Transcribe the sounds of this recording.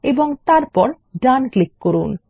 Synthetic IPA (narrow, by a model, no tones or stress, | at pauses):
eboŋt̪aɾpɔɾ | ɖanklikːoɾun